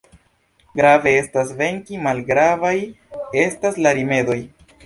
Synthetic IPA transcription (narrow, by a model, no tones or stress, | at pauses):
ɡɾave̞e̞stasve̞ŋkimalɡɾavaj | e̞staslaɾime̞do̞j